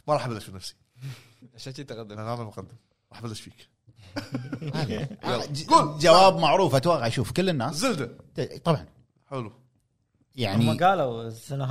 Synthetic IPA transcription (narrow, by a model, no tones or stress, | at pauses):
maɾˤɑːħbɪlːaʃfinafsi̥ | ʔaʃat̪it̪aɣad̪ːnanaːmalmʊqad̪ːɪm | ɾˤɑːħbalːaʃfiːk | a | ɡuːld͡ʒawaːbmaʕɾˤuːfʔat̪waɣaʕʃuːfkɪlːɪnːaːzɪld̪at̪t̪ˤɑbʕɑn | ħʊlu | jaʕniɡaːlawsana